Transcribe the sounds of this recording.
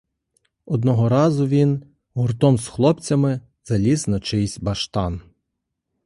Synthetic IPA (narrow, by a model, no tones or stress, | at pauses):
ɔd̪nɔɦɔɾɑzʊʋʲin | ɦʊrt̪ɔmsxlˠɔpt͡sʲɐmɪ | z̥ɐlʲisnɐt͡ʃɪjsʲbɐʃt̪ɑn